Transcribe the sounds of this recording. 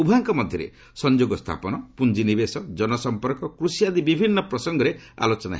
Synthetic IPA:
ubʱaŋkɔmɔd̪ʱjɔɾḛ | sɔnd͡ʒoɡɔst̪ʰa̰pɔnɔpund͡ʒinibesɔd͡ʒɔnɔsɔmpɔɾkɔkɾusijad̪ibibʱinːɔpɾɔsɔŋɡɔɾea̰lot͡ʃɔna̰ɦe

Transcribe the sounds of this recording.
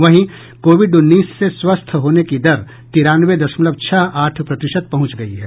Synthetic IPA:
ʋɐɦĩ | koːʋɪɖʊnːiːsːeswəst̪ʰɦoːnekid̪ɐɾ | t̪iɾaːnʋed̪ɐʃmʊləb̚t͡ʃʰaɦaːʈʰpɾɐt̪ɪʃəd̪̚pɐɦʊ̃t͡ʃɡɐiɦɛ̰ː

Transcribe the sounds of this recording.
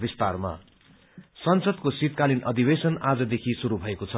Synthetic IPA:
bist̪arma̰ | sʌnsʌd̪kosit̪̚kalinʔʌd̪ibesʌnad͡zʌd̪ekʰisuɾubʱʌekot͡sʰʌ

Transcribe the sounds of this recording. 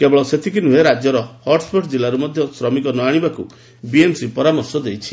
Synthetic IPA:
kebɔɭɔset̪ʰikinuɦeɾad͡ʒjɔɾɔhɔɾʈspɔʈd͡ʒilaɾumɔd̪ʱjɔsɾɔmikɔnɔaɽ̃ibaku | biemsipɔɾamɔɾsɔd̪ejt͡ʃʰi̥

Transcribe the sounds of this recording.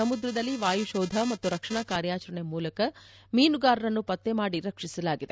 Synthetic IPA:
ɐmud̪ɾɐd̪ɐlːiʋaːjuʃɔːd̪ʱɐmɐt̪ːuɾɐkʂɐɳɐkaːɾjaːt͡ʃɐɾɐɳemuːlɐkɐ | miːnuɡaːɾɐɾɐnːupɐt̪ːemaːɽiɾɐkʂisɐlaːɡid̪e

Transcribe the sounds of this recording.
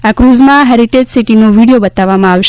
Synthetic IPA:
akɾuzmãɦeɾiʈed͡ʒsiʈinoʋiɽijobət̪aʋːamãaʋʃ

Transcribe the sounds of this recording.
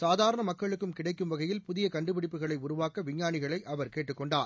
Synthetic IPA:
saːðaːɾɐɳɐmɐkːɐɭɯkːɯmkɪɽɐɪkːɯmʋɐɣɐjɪlpʊðɪjɐkɐɳɖɯpɪɽɪpːɯɣɐɭɐɪʊɾʊʋaːkɐʋɪɲːaːnɪɣɐɭɐɪʔɐʋɐɾkeːʈːɯkːɔɳɖaːɾ

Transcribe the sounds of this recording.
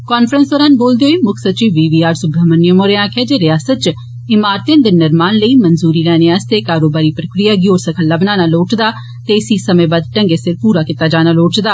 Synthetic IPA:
kaːnfɾənsəɾaːnboːld̪eoːiːmʊkʰsət͡ʃiːʋiːʋiːaːɾsʊbaːmənːɪəmoːɾeãːkʰeːd͡ʒeːɾɪjaːsət̪̚t͡ʃ | ɪmaːɾt̪ẽnd̪enɪɾmaːnləiːmənzuːɾiːɾɛːneaːst̪eːkaːɾoːbaːɾiːpɾəkɾɪjaːɡioːɾsəkʰəlːaːbnaːnaːloːʈd̪aː | t̪eɪsiːsəmẽːbaːd̪̚ʈə̃ŋɡeːsɪɾpuːɾaːkɪt̪aːd͡ʒaːnaːloːʈd̪aː

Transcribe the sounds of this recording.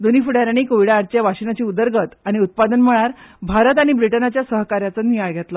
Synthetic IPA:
d̪onifuɽaɾaɽ̃ikoʋiɽaːɽt͡ɕjaʋaɕinat͡ɕiːud̪əɾɡʱət̪aɽ̃iut̪̚pad̪ənm̤əɭ̃aɾbʱaɾət̪aɽ̃ibɾiʈənat͡ɕjasəɦkaɾjat͡sənijaɭɡʱet̪la

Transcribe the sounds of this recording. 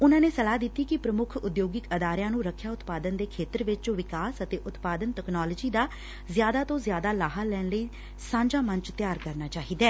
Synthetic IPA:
ʊnãːneːsəlaːd̪ɪt̪ːiːkɪpɾəmʊkʰʊd̪joːɡɪkəd̪aːɾɪjãːnũːɾəkʰːjaːʊt̪paːd̪ənd̪eːkʰeːt̪əɾʋɪt͡ʃõːʋɪkaːsət̪eːʔʊt̪paːd̪ənt̪ɛknaːləd͡ʒiːd̪aː | zjaːd̪aːt̪õːzjaːd̪aːlaːɦalɛːnləiː | sãːɲd͡ʒaːmənt͡ʃt̪jaːɾkəɾnaːt͡ʃaːɦiːd̪ɛː

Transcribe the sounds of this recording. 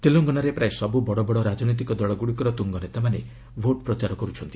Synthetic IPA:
t̪eloŋɡɔnaɾepɾaesɔbubɔɽɔbɔɽɔɾad͡ʒɔnijt̪̬ikɔd̪ɔɭɔɡuɽikɔɾɔt̪uŋɡɔnet̪amane | bʱoʈpɾɔt͡ʃaɾɔkɔɾut͡ʃʰɔnt̪i̥

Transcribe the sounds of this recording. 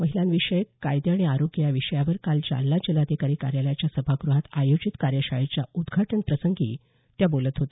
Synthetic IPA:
məɦilãnʋiʂəjkajd̪jaɽ̃iaɾoɡjaʋiʂəjaʋəɾkald͡ʑa̰lːad͡ʑelad̪ekaɾikaɾjaljat͡ɕjasəbʱaɡɾuɦat̪ajod͡ʑit̪kaɾjəɕaɭet͡ɕjaud̪ɡʱaʈəɳpɾəsəŋɡḭː | t̪jabolət̪ɦot̪e̥

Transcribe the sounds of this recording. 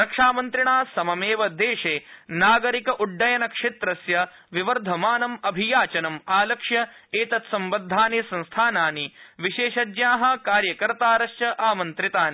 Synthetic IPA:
ɾɐkʂaːmɐnt̪ɾiɳaːsɐmɐmeːʋɐd̪eːʂeːnaːɡɐɾikɐʔuɖːɐjɐnɐkʂet̪ɾɐsjɐ | ʋiʋɐɾd̪ʱɐmaːnɐmɐbʱijaːt͡ʃɐnɐmaːlɐkʂjɐeːt̪ɐt̪sɐmbɐd̪ʱːaːnesɐ̃nst̪ʰaːnaːniʋiʃeːʃɐd̪jaːɦɐ̆kaːɾjɐkɐɾt̪aːɾɐʃt͡ʃɐʔaːmɐnt̪ɾit̪aːni

